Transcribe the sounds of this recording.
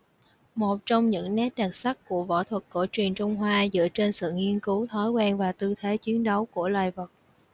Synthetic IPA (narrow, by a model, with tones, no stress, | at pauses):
mo˨˩t̚t͡ɕɔ˧wŋ͡mɲɨ̰˧˥ŋnɛ˦˥t̚ɲa˨˩k̚sa˦˥k̚ku˧˩əvo̰˧˥t̪ʰwə˨˩t̚ko̰˧˩t͡ɕwi˨˩ənt͡ɕʊ˧wŋ͡mɦwaː˧zɨ̰˧˨ət͡ɕe˧nsɨ̰˧˨ŋi˧ənkɨ˨˦wt̪ʰɔ˨˦jkwɛ˧nvaː˨˩t̪ɨ˧t̪ʰe˨˦t͡ɕwi˨˦ənɗə˨˦wku˧˩əlwaː˨˩jvə˨˩t̚